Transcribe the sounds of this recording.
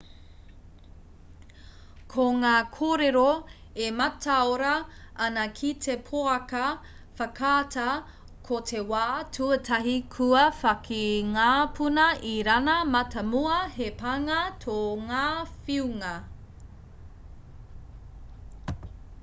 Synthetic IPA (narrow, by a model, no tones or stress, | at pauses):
kʰoŋaːkʰoːɾeɾoemɐtʰaoɾɐɐnɐkʰitʰepʰoɐkɐ | fɐkʰaːtɐ | kʰotʰewaːtʰuɐtʰɐɦikʰuɐfɐkʰiŋaːpʰunɐʔiɾɐnɐmɐtɐmuɐhepɐŋɐtʰoŋaːfiuŋɐ